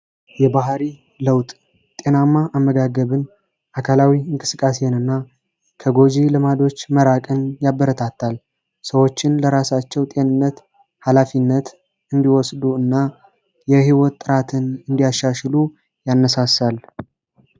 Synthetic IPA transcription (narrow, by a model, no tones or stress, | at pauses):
jɛbaɦɾi | ləwt̪ʼ | t̪ʼe̞namːaʔamːəɡaɡəβɨn | ʔakʰalawiɨŋkʼɨ̥sɨkʼːasenɨnːa | kʰəɡo̞d͡ʒilɨmad̪o̞t͡ʃːməɾakʼɨnjabːəɾət̪ʰat̪ʰːal | səwo̞t͡ʃːɪnləɾasat͡ʃːɛwt̪ʼe̞nɨnːət̪ | halafinːət̪ | ɨnd̪iwɔsd̪uɨnːa | jɛɦiwɔt̪ʼːɨɾat̪ʰɨnɨnd̪ijaʃːaʃlu | janːəsasal